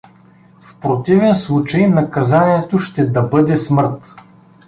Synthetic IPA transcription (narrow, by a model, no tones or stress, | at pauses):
fpɾot̪ivɛnslˠut͡ʃɐjnɐkɐzaniɛt̪oʃt̪ɛd̪ɐbɤd̪ɛsmɤɾt̪